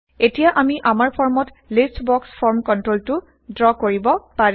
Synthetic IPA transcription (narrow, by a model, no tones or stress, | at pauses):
etijaʔamiʔamaɹpʰɔɹmɔt | listbɔkspʰɔɹmkɔntɹoltʊ | dɹɔkoɹibɔpaɹ